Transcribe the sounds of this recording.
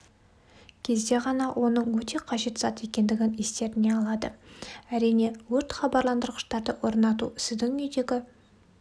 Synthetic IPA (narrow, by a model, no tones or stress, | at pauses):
kʲʰe̞zd̪e̞ʁɑnɑwʔo̞nəɴwɵt̪e̞qʰɑʒe̞t̪zɑt̪e̞kʲe̞nd̪ɪɡʲɪnest̪e̞ɾɪne̞ɑlˠɑd̪əæɾijne̞wɵɾt̪χɑbɑɾlˠɑnd̪əɾʁəʃt̪ɑɾd̪əwo̞ɾnɑt̪̬uɪsɪzd̪ɪŋʏjd̪e̞ɡʲɪ